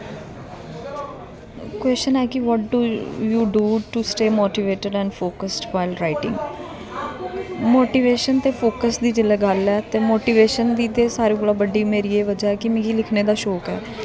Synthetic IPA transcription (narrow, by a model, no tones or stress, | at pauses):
kwɛːst͡ʃənɛːkɪʋɔːʈ̚ɖuːjuːɖuːʈusʈeːmoːʈiːʋeːʈəɖɛ̃ːɳɖfʰoːkəsʈʋaːɪlɾaːɪʈɪ̰̃ŋɡ | moːʈiːʋeːʃənt̪eːpʰoːkəsd̪iːd͡ʒɪlɛːɡəlɛːt̪eːmoːʈiːʋeːʃənd̪iːt̪eːsaːɾĩːbəɽaːbəɖiːmeːɾiːeːʋəd͡ʒaːɛːkɪmɪ̃ɡiːlɪkʰneːd̪aːʃoːkɛː